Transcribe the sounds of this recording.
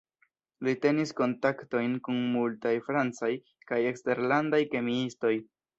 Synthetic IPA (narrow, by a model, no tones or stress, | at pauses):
lite̞nisko̞ntakto̞jnkunmultajfɾant͡saj | kaje̞kste̞ɾlandajke̞miisto̞j